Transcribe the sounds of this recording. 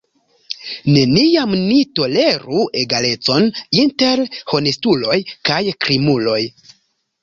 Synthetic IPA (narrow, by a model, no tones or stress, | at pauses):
ne̞nijamnito̞le̞ɾue̞ɡale̞t͡so̞ninte̞ɾho̞nestulo̞jkajkɾimulo̞j